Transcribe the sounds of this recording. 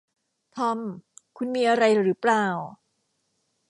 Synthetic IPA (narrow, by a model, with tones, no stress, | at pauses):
t̪ʰɔ˧mkʰu˧nmiː˧ʔa˧ɾa˧jɾɯː˩˦plaː˧˩w